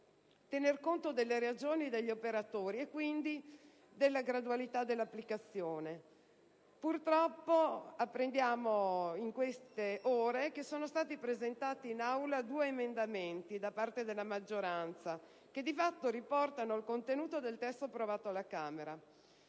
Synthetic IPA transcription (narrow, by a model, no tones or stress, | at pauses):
t̪enerkont̪od̪elːeɾead͡ʒoːnid̪eʎːiopeɾat̪oːɾiekːwind̪i | d̪elːaɡɾad̪ualit̪ad̪elːapːlikat̪sːjoːne | purt̪ɾɔpːoapːɾend̪jaːmoiŋkwest̪eʔoːɾekesoːnost̪aːt̪ipɾezent̪aːt̪iːnawlad̪uːeːmend̪ament̪id̪apart̪ed̪elːamad͡ʒːoɾant̪sa | ked̪ifat̪ːoɾipɔrt̪anoalkont̪enuːt̪od̪elt̪ɛst̪opɾovaːt̪oalːakaːmeɾa